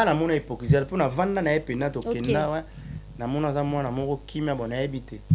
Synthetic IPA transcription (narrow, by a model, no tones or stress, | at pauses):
anamɔnaepokizalponavandanaepenatokɛndawɛ | namɔnazamwanamɔkokʰimiabɔnaebitɛ